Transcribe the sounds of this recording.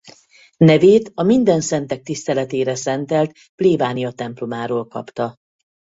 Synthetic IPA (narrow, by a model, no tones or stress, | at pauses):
nɛveːt̪ɒmind̪ɛnsɛnt̪ɛk̚t̪ist̪ɛlɛt̪eːɾɛsɛnt̪ɛlt̪ | pleːbaːnijɒt̪ɛmplo̞maːɾoːlkɒ̰pt̪ɒ